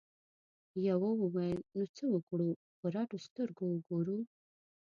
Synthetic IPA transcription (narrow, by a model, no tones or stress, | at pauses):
jawawəwajəlnot͡səwəkɽu | pəɾaʈost̪əɾɡowəɡoɾu